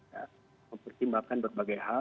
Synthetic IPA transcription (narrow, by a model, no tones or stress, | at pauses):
ja | məmpərt̪imbakanbərbaɡajha